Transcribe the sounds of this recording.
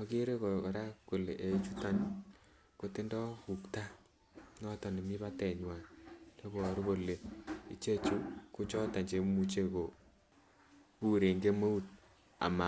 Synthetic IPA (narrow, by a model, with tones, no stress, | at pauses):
ɔ˨ki˦ɾe˦ko˨ɾa˦ko˨le˨ʔe˨˦t͡ʃu˦ta˦n | ko˦ti˦ndɔ˦ku˨kta˦ | nɔ˦tɔ˨ni˨mi˦βa˦tɛ˨ɲwa˨de˦kɔ˨ɾu˦bo˨le˨i˦t͡ʃe˦t͡ʃu˦ku˦t͡ʃɔ˦ta˨ɲd͡ʒe˨mu˨t͡ʃe˦ko˨ | pu˦ɾe˨ŋɡe˦mo˦u˦t̚ | a̰˨ma˨